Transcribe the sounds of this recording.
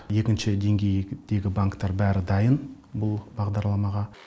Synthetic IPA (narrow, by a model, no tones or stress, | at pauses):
je̞kʲɪnʃɪd̪e̞ŋɡʲe̞jd̪̥e̞ɡʲɪbaŋkt̪ːɑɾbæɾɪd̪ɑjən | bʊlˠbɑʁd̪ɑɾlˠɑmɑʁɑ